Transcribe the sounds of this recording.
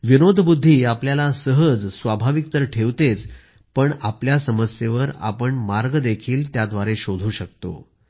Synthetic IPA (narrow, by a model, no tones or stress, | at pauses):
ʋinod̪ʱbud̪ʱːiːapljalasəɦəd͡zsʋabʱaʋik̚t̪əɾʈʰeʋt̪et͡s | pəɳapljasəməsjeʋəɾa̰pəɳmaɾɡd̪ekʰiːlt̪jad̪ʋaɾeɕod̪ʱuːɕək̚t̪o̰